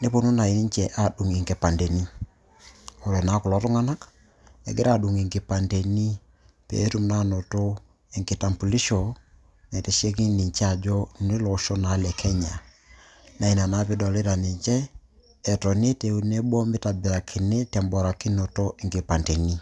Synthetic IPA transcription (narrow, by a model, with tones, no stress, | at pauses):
ne˦po˨nu˦na˨i˨ni˦ɲt͡ʃɛ˨ʔa˨ɗu˨ŋɪ˨ŋɡe˨pa˨nde˨ni˦ | ɔ˨ɾɔ˨na˨˦kʊ˨lɔ˨˦tʊ˦ŋa˦na˦k | ɛ̰˨ɡɪ˦ɾa˨ɗu˨ŋi˨ŋɡɪ˨pa˨nde˨ni˦ | pḛ˨˦tu˦mna˦no˨to˦ | ɪ˨ŋkɪ˨ta˨mpu˨li˦ʃɔ˨ | nɛ˨te˨ʃe˦k̬i˦ni˨ɲt͡ʃɛ˦a˨d͡ʒɔ˦nɪ˦lɔ˨˦ʃɔ˦na˨˦lɛ˨kʰɛ˦ɲa˨ | na˦i˨na˨na˦pɪ˦dɔ˨lɪ˦ɾa˨ni˨ɲt͡ʃɛː˦˨ | tɔ˨ni˦te˨˦u˦ne˦bɔ˦mɪ˦ta˨bɪ˨ɾa˨kʰɪ˨ne˦tɛ˨mbɔ˨ɾa˨ki˦no˨to˦ɪ˨ŋɡe˨pa˨nde˨ni˦